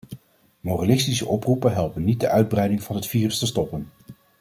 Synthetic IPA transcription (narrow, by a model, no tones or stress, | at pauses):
moralɪstisəʔɔprupənɦɛlˠpənːit̚dəʔœɥd̚brɛjdɪŋvɑnɦətfiːrəstəstɔpən